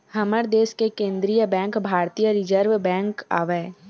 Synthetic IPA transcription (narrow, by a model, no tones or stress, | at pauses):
hɐməɾd̪eːskekẽːnd̪ɾijəbɛ̃ːŋkbʱaːɾt̪ijəɾɪd͡ʒəɾʋbɛ̃ːŋka̰ːʋeː